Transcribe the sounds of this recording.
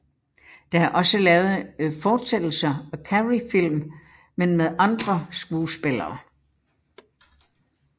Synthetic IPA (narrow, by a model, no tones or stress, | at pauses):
d̥ɑ̈æɐʔɒ̽səlɛːʊð̩ˠfɒːd̥sed̥l̩sɐɒ̽kʰæʁifil̰m | menmeðˠʔɑ̈nd̥ʁɐsɡ̥uːsb̥elɐː